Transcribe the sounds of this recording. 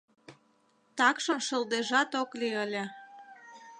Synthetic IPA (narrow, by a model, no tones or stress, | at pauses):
t̪ɑkʃəmʃəld̪eʒɑt̪okliəlʲĕ